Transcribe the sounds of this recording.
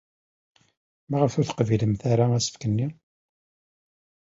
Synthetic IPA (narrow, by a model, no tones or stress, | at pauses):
maʁəfʊɾθə̥qviləmθaɾaæsə̥fkənːi